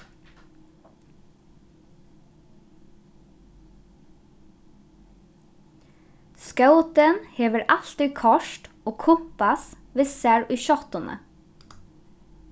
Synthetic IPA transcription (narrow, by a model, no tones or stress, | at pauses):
skɑʊt̪ənheːʋəɾʔɑlt̪ɪkʰɔʃʈ | oːkʰʊpɑs | ʋɪsæɹʔʉːʃɔt̪ʊnə̰